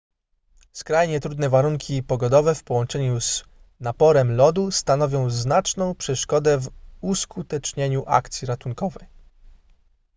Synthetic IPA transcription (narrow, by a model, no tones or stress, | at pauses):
skɾajɲɛt̪ɾud̪nɛvaɾuŋkʲipɔɡɔd̪ɔvɛfpɔwɔnt͡ʂɛɲuz | napɔɾɛmlɔd̪ust̪anɔvʲjɔ̃w̃znat͡ʂnɔ̃w̃pʂɛʂkɔd̪ɛvuskʰut̪ɛt͡ʂɲeɲuʔa̰kt̪sʲiɾat̪uŋkɔvɛj